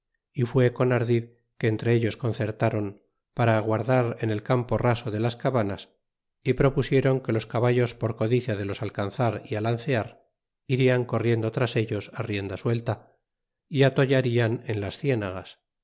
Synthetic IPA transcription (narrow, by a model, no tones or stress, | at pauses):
ifwe̞ko̞naɾðið | ke̞ːnt̪ɾe̞eʎo̞sko̞nθe̞ɾt̪aɾo̞m | paɾaːɣwaɾðaɾe̞ne̞lkampo̞raso̞ðe̞laskaβanas | ipɾo̞pusje̞ɾo̞ŋke̞lo̞skaβaʝo̞spo̞ɾko̞ðiθjað̞e̞lo̞salkanθaɾialanθeaɾ | iɾiaŋko̞rje̞nd̪o̞t̪ɾase̞ʎo̞sarje̞nd̪aswe̞lt̪a | iat̪o̞ʝaɾiane̞nlasθje̞naɣas